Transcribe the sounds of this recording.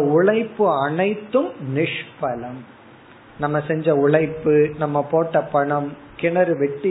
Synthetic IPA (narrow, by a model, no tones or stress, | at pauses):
ɐʊɭɐɪpːɯɐɳɐɪt̪ːɯmnɪʂpɐlɐm | nɐmːɐsɛɲd͡ʒɐʊɭɐɪpːɯnɐmːɐpoːʈːɐpɐɳɐm | kɪɳɐɾɯʋɛʈːɯ